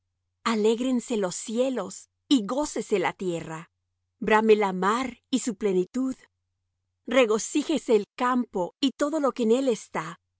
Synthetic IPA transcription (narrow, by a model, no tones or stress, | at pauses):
ale̞ɣɾe̞nse̞lo̞sje̞lo̞s | iɣo̞se̞se̞lat̪je̞ra | bɾamelamaɾisuple̞nit̪uð | re̞ɣo̞sixe̞seːlkampo̞it̪o̞ðo̞lo̞keːne̞le̞st̪a